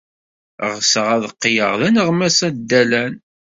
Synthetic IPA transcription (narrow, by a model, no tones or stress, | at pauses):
ʁsəʁæðqːjə̰ʁðænəʁmæsæd̪ːælæn